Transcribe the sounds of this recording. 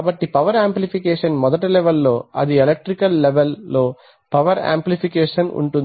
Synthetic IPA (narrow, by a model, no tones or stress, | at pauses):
bɐʈːipɐʋɐɾaːmplipikeːʂɐnmɔd̪ɐʈ̬ɐlɛʋɐlːo̞ːɐ̰d̪ielek̚ʈɾikɐlːeʋelːo̞ː | pɐʋɐɾa̰ːmplipikeːʂɐnṵɳʈun